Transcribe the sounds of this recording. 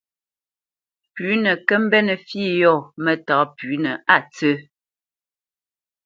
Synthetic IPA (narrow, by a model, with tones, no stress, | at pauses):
pʉ˨˦nə˨kə˦m̩˦bɛ˦nə˨fiː˦˨jɔ˦˨mɛ˨taː˨˦pʉ˨˦nə˨a˦˨t͡sə˦